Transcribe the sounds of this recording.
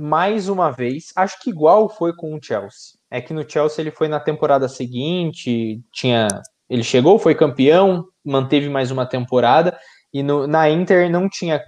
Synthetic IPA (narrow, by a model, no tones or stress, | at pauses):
majzũmɐvejsaʃʊ̥kɪiɡwawfojkõw̃ʊt͡ʃɛwsɪ̥ | ɛkɪnʊt͡ʃɛwsɪelɪfojnɐt̪ẽmpoɾad̪ɐseɡĩt͡ʃɪt͡ʃĩɲɐ | elɪʃeɡowfojkɐ̃mpiɐ̃w̃ | mɐ̃nt̪evɪmajzũmɐt̪ẽmpoɾad̪ɐ | ɪnʊnɐĩnt̪eɾnɐ̃w̃t͡ʃĩɲɐ